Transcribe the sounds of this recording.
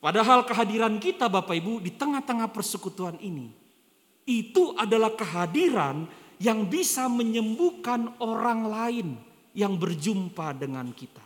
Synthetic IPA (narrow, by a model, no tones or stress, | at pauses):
padaɦalkəɦadiɾankit̪abapaibudit̪əŋaht̪əŋahpərsəkut̪uaninḭ | it̪uʔadalahkəɦadiɾanjaŋbisaməɲəmbukanoɾaŋlaɪn | jaŋbərd͡ʒumpadəŋa̰nkit̪a